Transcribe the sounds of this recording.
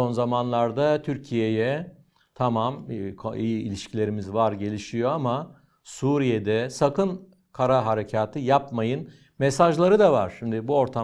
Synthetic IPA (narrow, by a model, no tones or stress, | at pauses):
so̞nzamanlˠaɾd̪at̪ʰyɾcʰije̞jɛ | t̪ʰamamkʰoijiːlʲiʃcʰilʲe̞ɾimizvaɾɟe̞lʲiʃijo̞ama | suːɾijed̪ɛsakɯn | kʰaɾaɦaɾe̞cʰaːt̪ʰɯjapmajɯn | mɛsaʒlˠaɾɯd̪ava̰ɾ̥ʃimd̪ɪbuo̞ɾt̪ʰa